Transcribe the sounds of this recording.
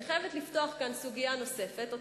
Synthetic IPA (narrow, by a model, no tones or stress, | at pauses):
χevet̪liftoaχkansuɡijano̞se̞fet̪o